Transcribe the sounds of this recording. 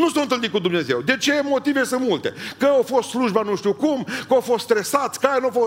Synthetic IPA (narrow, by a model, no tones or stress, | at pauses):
nusowɨnt̪ɨlnikud̪umne̞ze̞wd̪e̞t͡ʃe̞mo̞t̪ivesɨnmult̪e̞̰kəawfo̞st̪sluʒbanuʃt̪iukumkəowfost̪st̪ɾe̞sat̪sʲkajanuafo